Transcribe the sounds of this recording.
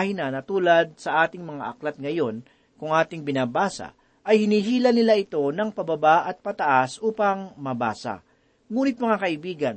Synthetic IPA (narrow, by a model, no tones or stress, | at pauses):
hɪnɐnɐt̪uːlɐd̪̚sɐʔaːt̪ɪŋmɐŋaʔɐklɐt̪̚ŋɐjo̞n | kʊŋʔaːt̪ɪŋbɪnaːbaːsɐ̰ | ʔɐjhɪniːɦiːlɐnɪlaʔɪt̪o̞nɐŋpɐbɐbaʔɐt̪̚pɐt̪ɐʔasʔuːpɐŋmɐba̰ːsɐ̰ | ŋuːnɪt̪̚mɐŋakɐʔɪbiːɡɐn